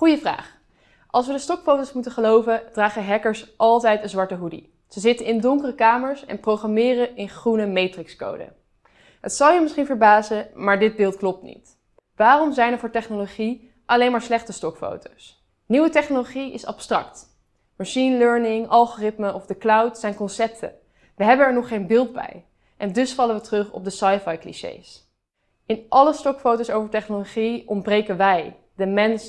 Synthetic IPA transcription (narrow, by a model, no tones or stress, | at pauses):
χujəvra̰ːχ | ʔɑlˠsʋədəstɔkfowtowsmutəχəlowvəd̥raːχəɦɛkəɹsʔɑlˠtɛjtənzʋɑɹtəɦudḭ | z̥əzɪtənɪndʊŋkərəkaːməɹsɛ̰nprowχrɑmɪːrəɪnχrunəmejtrɪksko̰wdə̰ | ɦətsɑlˠjəmɪsχinvəɹbaːzəmaːɹdɪd̚bɪːlˠtklɔp̚tnḭt | ʋaːrɔmzɛjnɛɹvʊːɹtɛχnoloχi | ʔɑlejnmaːɹslɛχtəstɔkfo̰wtows | niwətɛχnoloχiɪ̰sɑ̰pstrɑ̰kt | maʃinløɹnɪŋɑlˠχoːrɪtməʔɔvdəklawtsɛjnkɔnsɛp̚tʰə̰ | ʋəɦɛbənɛɹnɔχːejnbɪːlˠdbɛ̰j | ʔɛndɵsfɑləʋətrɵχɔ̰b̚dəsɑjfɑjklḭʃḛjs | ɪnʔɑləstɔkfowtowsowvəɹtɛχnoloχiɔnbrejkənʋɛj | dəmɛns